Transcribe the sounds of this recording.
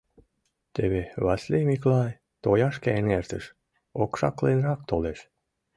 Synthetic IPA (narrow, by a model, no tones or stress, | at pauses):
t̪eβeβɑsʲlʲemiklɑj | t̪ojɑʃkænert̪əʃ | okʃɑ̰klejnrɑk̚t̪oleʃ